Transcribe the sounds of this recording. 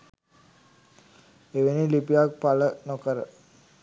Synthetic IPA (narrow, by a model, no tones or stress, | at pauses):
eʋenilipijak̚palənokəɾə